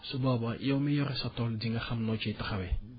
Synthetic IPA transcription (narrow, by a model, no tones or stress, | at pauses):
sobabaʔijaumɛjɔɾɛsatɔldĩŋɡaxamnɔt͡ʃɛtaxabɛ